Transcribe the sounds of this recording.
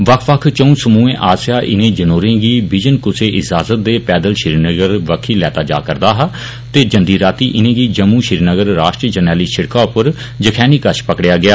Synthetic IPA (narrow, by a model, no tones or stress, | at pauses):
ʋəkʰʋəkʰt͡ʃə̃ũːsəmũːẽːʔaːsɪjaːʔɪ̰nẽːd͡ʒənoːɾẽːɡiːbɪd͡ʒənkʊseːʔɪd͡ʒaːzət̪̚d̪eːpɛːd̪əlʃɪɾinəɡəɾʋəkʰːiːlɛːt̪aːd͡ʒa̰ːkəɾd̪aːɦa | t̪eːd͡ʒənd̪iːɾaːt̪iːʔɪnẽːɡiːd͡ʒəmũːʃɪɾnəɡəɾːaːʃʈɾiːd͡ʒənɛːliːʃʰɪɽkaːʊpəɾ | d͡ʒəkʰɛːniːkəʃpəkɽɪjaːɡɪjaː